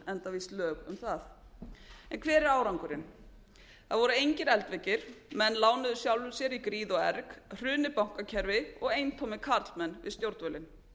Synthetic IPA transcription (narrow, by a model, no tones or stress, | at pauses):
ɛnt̪aviːslœːɣʏ̰mθaθ | ɛnkʰvɛːɾɪɾaːwɾawŋkʏɾɪn | θaðvɔɾʏejɲcɪɾɛlt̪vɛcɪɾ̥mɛnlaːwnʏðʏsjawlʏ̥sjɛɾikɾiːðɔɛɾkr̥ʏːnɪpawŋ̥kacʰɛɾvɪɔɣejnt̪ʰowmɪkʰaɾt̪lmɛnːvɪ̰ðst̪jowɾt̪vœlɪn